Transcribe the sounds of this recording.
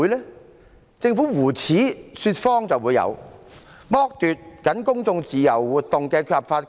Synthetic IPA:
jlɛː˥ | t͡sɪ˧ŋfuː˨˥wuː˨˩t͡sʰiː˨˥syː˧t̚fɔː˥ŋt͡sɐ˨wuː˨˧jɐ̰˨˧w | mɔː˥k̚t̪yː˨t̚kɐ˨˥nkʊ˥ŋt͡sʊ˧ŋt͡siː˨˩jɐ˨˩wːuː˨˩t̚t̪ːʊ˨ŋkɛː˧kʰy˧thɐ˨˩pfaː˧t̚

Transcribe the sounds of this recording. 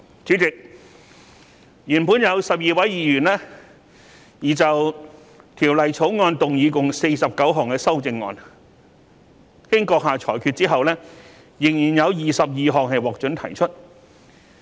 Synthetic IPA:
t͡sʰy˨˥t͡sɪ˨k̚ | jyː˨˩npuː˨˥njɐ˨˧wsɐ˨p̚jiː˨˩wɐ˨˥jjiː˨jyː˨˩nlɛː˥ | jiː˨˩t͡sɐ˨w | t̪ʰiː˨˩wlɐ˨˩jt͡sʰo˨˥wŋɔː˧nt̪ʊ˨ŋjiː˨˧kʊ˨ŋse˧jsɐ˨p̚kɐ˨˥wɦɔː˨˩ŋkɛː˧sɐ˥wt͡sɪ˧ŋːɔ̰ː˧n | hɪ˥ŋkɔː˧k̚ɦaː˨t͡ʃʰɔ̰ː˨˩jkʰyː˧t̚t͡siː˥ɦɐ˨wlɛː˥ | jɪ˨˩ŋjiː˨˩njɐ˨˧wjiː˨˩sɐ˨p̚jiː˨ɦɔː˨ŋɦɐ˨jwɔː˨k̚t͡ʃɵ˨˥nt̪ʰɐ̰˨˩jt͡ʃʰɵ˥t̚

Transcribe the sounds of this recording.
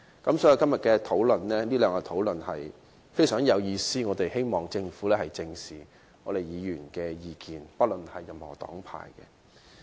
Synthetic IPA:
kɐ˨˥msɔː˨˥ji˨˧wkɐ˥mjɐ˨t̚kɛː˧t̪ʰo˨˥wlɵ˨nlɛː˥niː˥lœː˨˧ŋkɛ˧t̪ʰo˨˥wlɵ˨nhɐ˨j | fe˥jsœː˨˥ŋjɐ˨˧wjiː˨˧siː˥ŋɔː˨˧t̪e˨jhe˥jmɔː˨˩ŋt͡sɪ˧ŋfuː˨˥lɛː˥hɐ˨jt͡sɪ˧ŋsiː˨ | ŋɔː˨˧ɾe˨jjiː˨˧jyː˨˩nkɛː˧jiː˨˧kiː˨npɐ˥t̚lɵ˨nhɐ˨jːɐ˨mhɔː˨˩t̪ɔ̰ː˨˥ŋpʰa̰ː˨˩jkɛ̰˧

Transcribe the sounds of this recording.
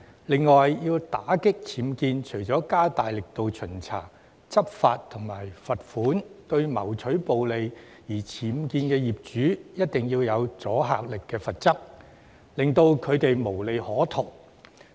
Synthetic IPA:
lɪ˨ŋːɔː˨jjiː˧wt̪aː˨˥kɪ˥k̚t͡sʰiː˨˥mkiː˧nt͡ʃʰɵ˨˩ɥt͡sɔː˨˥kaː˥t̪aː˨jlɪ˨k̚t̪o˨wt͡ʃʰɵ˨˩nt͡sʰa̰ː˨˩ | t͡sɐ˥p̚faː˧t̚t̪ʰʊ˨˩ŋmaː˨˩jfɐ˨t̚fuː˨˥nt̪ɵ˧ɥmɐ˨˩wt͡ʃʰɵ˨˥po˨wle˨j | jiː˨˩t͡sʰiː˨˥mkiː˧nkɛː˧jiː˨˩p̚t͡ʃyː˨˥jɐ˥t̚t̪ɪ˨ŋjiː˧wjɐ˨˧wt͡sɔː˨˥ɦa̰ː˨k̚lɪ˨kːɛː˧fɐ˨t̚t͡sɐ˥p̚ | lɪ˨ŋt̪o˧wkʰɵ˨˧ɥt̪e˨jmo˨˩wle˨jhɔː˨˥t̪ʰʊ˨˩ŋ

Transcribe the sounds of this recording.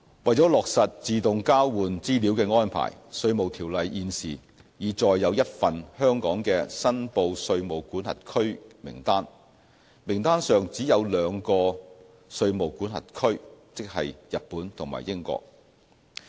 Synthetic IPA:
wɐ˨jt͡sɔː˨˥lɔː˨k̚sɐ˨t̚t͡siː˨t̪ʊ˨ŋkaː˥wwuː˨nt͡siː˥liː˨˥wkɛː˧ŋɔː˥npʰa̰ː˨˩jsɵ˧ɥmo˨˩wt̪ʰiː˨˩wlɐ˨jʔiː˧nsiː˨ | jiː˨˧t͡sɔː˨jːɐ˨˧wjɐ˥t̚fɐ˨nhœː˥ŋkɔː˨˥ŋkɛː˧sɐ˥npo˧wsɵ˧ɥmo˨˩wkuː˨˥nhɐ̰˨t̚kʰɵ˥ɥmɪ̰˨˩ŋt̪aː˥n | mɪ˨˩ŋt̪aː˥nsœː˨ŋt͡siː˨˥jɐ˨˧wlœː˨˧ŋkɔː˧ | sɵ˧ɥmo˨˩wkuː˨˥nhɐ̰˨t̚kʰɵ˥ɥt͡sɪ˥k̚hɐ̰˨jjɐ˨t̚puː˨˥nt̪ʰʊ˨˩ŋma̰ː˨˩jɪ˥ŋkɔ̰ː˧k̚

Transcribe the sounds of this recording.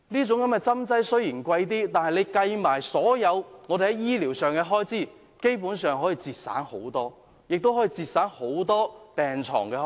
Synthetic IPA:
niː˥t͡sʊ˨˧˥ŋkɐ˨˥mkɛː˧t͡sɐ˥mt͡sɐ˥jsɵ˥ɥjiː˨˩nkʷɐ˧jt̪̬iː˥t̪aː˨nhɐ˨jne˨˧jkɐ˧jmaː˨˩jsɔː˨˥jɐ˨˧wŋɔ˨˧d̪e˨hɐ˨˥jiː˥liː˨˩wsœː˨ŋkɛː˧ɦɔː˥jt͡siː˥˩ | ke˥jpuː˨˥nsœː˨ŋɦɔː˨˥jiː˨˧t͡siː˧t̚sa̰ː˨˥nho̰˨˥wt̪ɔː˥ | jɪ˨k̚t̪o˥wɦɔː˨˥jiː˨˧t͡siː˧t̚saː˨˥nho˨˥wt̪ɔː˥pɛː˨ŋt͡sʰɔ̰ː˨˩ŋkɛː˧

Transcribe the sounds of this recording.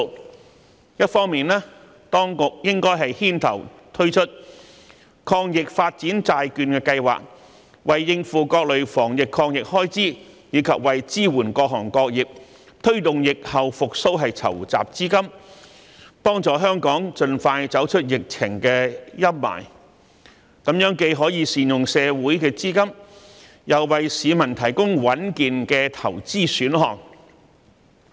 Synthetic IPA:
jɐ˥t̚fɔː˥ŋmiː˨nlɛː˥ | t̪ɔː˥ŋkʊ˨k̚jɪ˥ŋkɔː˥jɦɐ˨jhiː˥nt̪ʰɐ̰˨˩wt̪ʰɵ˥ɥt͡ʃʰɵ˥t̚ | kʰɔː˧ŋjɪ˨k̚faː˧t̚t͡siː˨˥nt͡saː˧jkyː˧nkɛː˧kɐ˧jwa̰ː˨k̚ | wɐ˨jːɪ˧ŋfuː˨kɔː˧k̚lɵ˨ɥfɔː˨˩ŋjɪ˨kʰːɔː˧ŋjɪ˨k̚hɔː˥jt͡siː˥jiː˨˧˥kʰɐ˨p̚wɐ˨jt͡siː˥wuː˨˩nkɔː˧k̚ɦɔː˨˩ŋkɔː˧k̚jiː˨p̚ | t̪ʰɵ˥ɥt̪ʊ˨ŋjɪ˨k̚hɐ˨wfʊ˨k̚so˥wɦɐ˨jt͡sʰɐ̰˨˩wt͡sa̰ː˨p̚t͡siː˥kɐ˥m | pɔː˥ŋt͡sɔː˨˩ɦœː˥ŋkɔː˨˥ŋt͡ʃɵ˧nfaː˧jt͡sɐ˨˥wt͡ʃʰɵ˥t̚jɪ˨k̚t͡sʰɪ˨˩ŋkɛː˧jɐ˥p̚ma̰ː˨˩j | kɐ˨˥mjœː˨˥ŋke˧jɦɔː˨˥jiː˨˧siː˨njʊ˨ŋsɛː˨˧wuː˨˥jkɛː˧t͡siː˥kɐ˥m | jɐ˨wːɐ˨jsiː˨˧mɐ˨˩nt̪ʰɐ˨˩jkʊ˥ŋwɐ˨˥nkiː˨nkɛː˧t̪ʰɐ̰˨˩wt͡siː˥syː˨˥nɦɔ̰ː˨ŋ

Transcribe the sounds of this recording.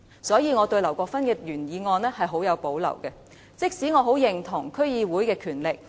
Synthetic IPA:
sɔː˨˥jiː˨˧ŋɔː˨˧t̪ɵ˧ɥlɐ˨˩wkʷɔː˧k̚fɐ˥nkɛː˧jyː˨˩njiː˨˧ŋɔː˧nlɛː˥hɐ˨jɦo˨˥wjɐ˨˧wpo˨˥wlɐ̰˨˩wkɛ˧ | t͡sɪ˥k̚siː˨˥ŋɔː˨˧ɦo˨˥wjɪ˨˩ŋt̪ʰʊ˨˩ŋkʰɵ˥ɥjiː˨˧wuː˨˥jkɛː˧kʰyː˨˩nlɪ˨k̚

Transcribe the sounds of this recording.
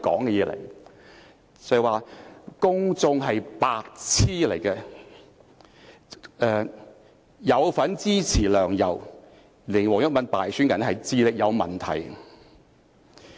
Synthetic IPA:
kɔ̰ː˨˥ŋkɛ˧jɛː˧lɐ̰˨˩j | t͡sɐ˨˩˨waː˨˧kʊ˥ŋt͡sʊ˧ŋɦɐ˨jpaː˧k̚t͡sʰiː˥lɐ˨˩jkɛ˧ | ʔɛː˧ | jɐ˨˧wfɐ˨˥nt͡siː˥t͡sʰiː˨˩lœː˨˩ŋjɐ̰˨˩w | lɪ˨˩ŋwɔː˨˩ŋjʊ˥t̚mɐ˨˥npaː˨jsyː˥nkɛ˨n˥hɐ˨jt͡siː˧lɪ˨k̚jɐ˨˧wmɐ̰˨˩nt̪ʰɐ̰˨˩j

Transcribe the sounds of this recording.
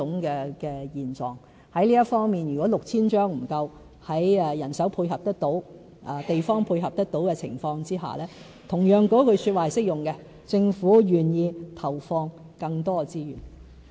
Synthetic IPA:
ʊ˨˥ŋkɛː˧kɛː˧jiː˨nt͡sɔː˨˩ŋ | hɐ˨˥jliː˥jɐ˥tfɔː˥ŋmiː˨˩njyː˨kwɔː˨˥lʊ˨k̚t͡sʰiː˥nt͡ʃœː˥ŋm̩˨˩kɐ˧w | hɐ˨˥jɛ˧jɐ˨˩nsɐ˨˥wpʰuː˧jɦɐ˨p̚t̪ɐ˥k̚t̪o˨˥w | ʔɐː˨˧t̪e˨jfɔː˥ŋpʰuː˧jɦɐ˨p̚t̪ɐ˥k̚t̪o˨˥wkɛ˧t͡sʰɪ̰˨˩ŋfɔː˧ŋt͡siː˥ɦa̰ː˨lɛː˥ | t̪ʰʊ˨˩ŋjœː˨˩ŋkɔː˨˥kʰɵ˨˧ɥsy˧t̚waː˨hɐ˨jsɪ˥k̚jʊ˨˩ŋkɛ˧ | t͡sɪ˧ŋfuː˨˥jyː˨˩njiː˧t̪ʰɐ˨˩wfɔː˧ŋ | kɐ˧ŋt̪ɔː˥t͡siː˥jy̰ː˨˩n

